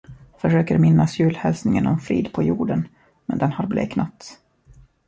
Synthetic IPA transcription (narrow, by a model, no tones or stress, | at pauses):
fœʂøːkəɾmɪnːasjʉ̟ːlhɛlsnɪŋənɔmfɾiːd̪pʰɔjuːɖən | mɛnd̪ɛnhaɾblḛːknat̪